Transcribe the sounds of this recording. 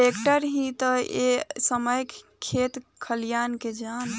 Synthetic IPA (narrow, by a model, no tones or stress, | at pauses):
ekʈəɾɦĩt̪əesəməjkkʰːet̪kʰəljanked͡ʒan